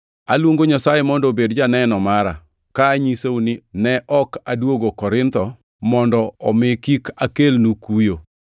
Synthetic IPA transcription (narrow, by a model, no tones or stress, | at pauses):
alwoŋɡoɲasajemɔndɔbedd͡ʒanɛnɔmaɾa̰ | kaːɲiseunɪnɛʔɔkadwoɡokɔɾɪnt̪ɔ | mɔndɔɔmɪkikakelnukujo